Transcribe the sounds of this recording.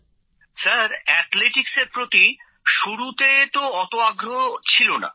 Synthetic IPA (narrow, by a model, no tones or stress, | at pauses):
saɾɛt̪leʈikseɾpɾot̪i | ʃuɾut̪et̪oɔt̪oaɡɾot͡ɕʰilona̰